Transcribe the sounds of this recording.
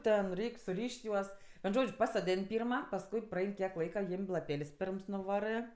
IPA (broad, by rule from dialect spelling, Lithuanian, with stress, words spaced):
ˈtʲɛn ˈrʲɛɪkʲ sʊˈrʲiːʃʲtʲ ˈjuɔs ʋʲiɛn ˈʒoːt͡ʃʲ pɐsoːˈdʲeːnʲ ˈpʲiːrmɐ pɐsˈkʊɪ prɐˈɛɪn kʲiɛk ˈlˠɐɪkɐ ˈjɪmʲ lˠɐˈpʲeːlʲsʲ ˈpʲɛr nʊˈʋɑːrɜ